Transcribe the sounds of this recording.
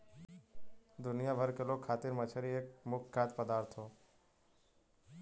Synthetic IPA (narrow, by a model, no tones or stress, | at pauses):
d̪ʊnɪjabʱəɾkɪlokʰaːt̪ɪɾmət͡ʃʰəɾieːk̚mʊkʰɡaːt̪pəd̪aːɾt̪ʰːoː